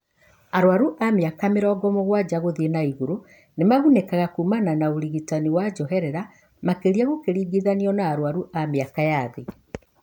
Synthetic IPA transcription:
aɾoaɾuʔameakameɾɔːɡɔmoɣwad͡ʑaɣoðienaiɣuɾo | nemaɣunɛkaɣakuːmananaoɾiɣitaniwad͡ʑɔɦɛɾɛɾa | makeɾiaɣokeɾiːɡiðaniɔnaːɾoaɾuʔameakajaðe

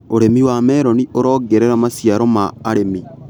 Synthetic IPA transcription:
oɾemiwamɛɾɔniʔoɾɔːɡɛɾeɾamasjaɾɔmaːɾemi

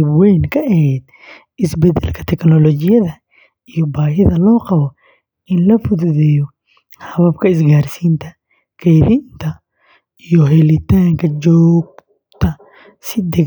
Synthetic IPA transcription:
bwɛjŋkʰɐʔɛɦhɛd̪ | ɪsbɛd̪ɛ̰lkʰɐ̥t̪ʰɛknɔlɔd͡ʒɪjɐðɐ | ijɔbaːɦɪðɐlɔːqɑβɔ | ɪnlɐfʊððɛjɔ | hɐβɐbkʰɐɪs̬ɡaːɾsiːnt̪ʰɐ | kʰɛjðint̪ʰɐ | ijɔɦɛlɪt̪aːŋkʰɐd͡ʒɔːɡ̚ | t̪ʰɐ | sɪd̪ɛ

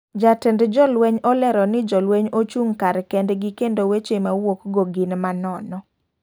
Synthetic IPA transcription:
d͡ʒatɛndd͡ʒɔlwɛɲɔlɛɾɔnɪd͡ʒɔlwɛɲot͡ʃuŋkaɾkɛndɡikendowet͡ʃemawokɡoɡɪnmanɔnɔ

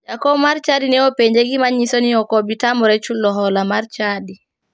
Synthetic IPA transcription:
d͡ʒakɔmaɾt͡ʃadinɛɔpeɲd͡ʒeɡimaɲːisoniɔkobitamɔɾɛt͡ʃulːɔɦɔlamaɾt͡ʃadi

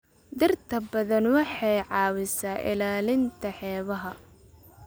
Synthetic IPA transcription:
d̪ɪrt̪ʰɐbɐðɐnwɑħɑjʕɑːwɪsaːʔɪ̰laːlɪnt̪ʰɐħɛːβɐɦɐ

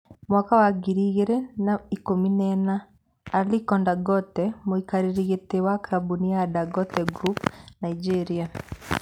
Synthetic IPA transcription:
mwakawaɡiɾiɣeɾɛnaikominɛnaː | likɔndaɡɔtɛmoikaɾiɾiɣetewakaɾabuniadaɡɔtɛɡɾupnaid͡ʒɛɾia

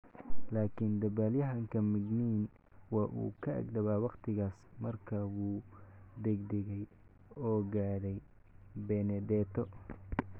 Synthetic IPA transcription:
laːkʰɪnd̪ɐbaːljɐɦɐŋkʰɐmɪɡniːn | wɑːʔṵːkʰɐʔɐ̰ɡd̪ɐβaːwɑqt̪ʰɪɣaːsmɐrkʰɐwuːd̪ɛɡd̪ɛɣɛj | ɔːɡaːðɛj | bɛnɛd̪ɛːt̪ʰɔ

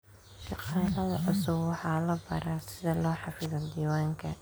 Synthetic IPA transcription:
ʃɑqɑːlɐðɐʕʊsʊbwɑħɑːlɐbɐ̰ɾasɪðɐlɔːħɑfɪðɐd̪iːwaːŋkʰɐ

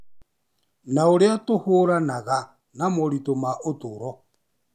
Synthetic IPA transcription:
naoɾeatohoɾanaɣa | namoɾitomaʔotuɾɔ

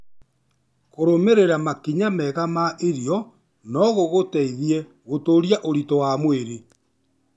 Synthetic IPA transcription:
koɾomeɾeɾamakiɲamɛɣamaʔeɾiɔ | nɔɣoɣotɛiðiɛ | ɣotoɾiaʔoɾitɔwamweɾe

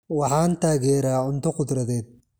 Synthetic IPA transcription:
wɑħaːnt̪aːɣɛːɾaːʕʊnt̪ʊqʊd̪ɾɐðɛːd̪̚

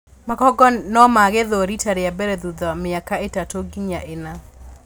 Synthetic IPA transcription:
makɔɡɔnɔmaɣeðoɾitaɾeabɛɾɛðuðɔmɪakaetatoɡiɲaʔena

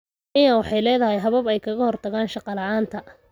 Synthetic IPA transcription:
ʔɪnɐwɑħɑjlɛːðɐɦɛjɦɐβɐbɛjkʰɐɣɐhɔrt̪ʰɐɣaːnʃɑqɑlɐaːnt̪ʰɐ

